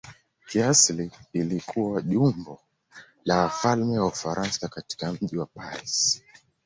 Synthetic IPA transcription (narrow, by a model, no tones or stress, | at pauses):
kiasliilikʰuwaʄumbɔ | lawafalmɛwaufaɾʔansakati̥kam̩ʄiwapaɾḭs